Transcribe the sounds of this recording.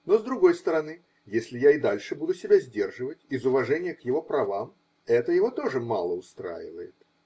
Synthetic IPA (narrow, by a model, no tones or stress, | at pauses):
no̞zd̪ɾʊɡo̞jst̪əɾɐnɨ | jesʲlʲɪjaɪd̪alʲʂɨbud̪ʊsʲɪbʲazʲdʲe̞rʐɨvətʲɪzʊvɐʐɛnʲɪjəkjɪvo̞pɾɐvam | ɛt̪əjɪvo̞t̪o̞ʐɨma̰lˠəʊst̪ɾa̰jɪ̰və̰jɪ̰t̪